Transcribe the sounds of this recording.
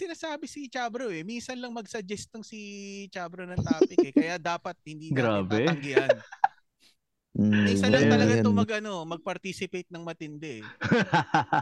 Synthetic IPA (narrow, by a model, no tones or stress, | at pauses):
sɪnaːsaːbɪsit͡ʃaːbɾoʔɛminsɐnlɐŋmɐɡsɐd͡ʒɛst̪oŋsit͡ʃaːbɾonɐŋt̪aːpɪɛkɐjad̪aːpɐt̪̚hɪnd̪iːɡɾaːb̪ɛɐŋɡɪjɐn | ĩsɐnɐŋt̪ɐlɐɡaomɐɡʔɐno̞mɐɡ̚pɐɾt̪iːsɪpejt̪̚nɐŋmɐt̪ɪnd̪ɛʔɛ